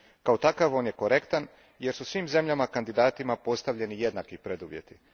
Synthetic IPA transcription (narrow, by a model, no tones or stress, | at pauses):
kaot̪akaʋo̞ːnje̞ko̞ɾe̞kt̪an | je̞ɾsusʋiːmze̞mʎamakand̪id̪aːt̪imapo̞st̪aʋʎe̞nije̞d̪nakipɾed̪uʋje̞̰t̪i